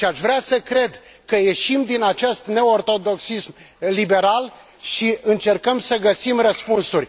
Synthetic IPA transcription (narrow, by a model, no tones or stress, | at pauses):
ʃiaʃvɾasəkɾe̞d̪ | kəje̞ʃimd̪inat͡ʃest̪ne̞ort̪o̞d̪o̞ksism | libe̞ɾal | ʃiɨnt͡ʃe̞rkəmsəɡəsimrəspunsurʲ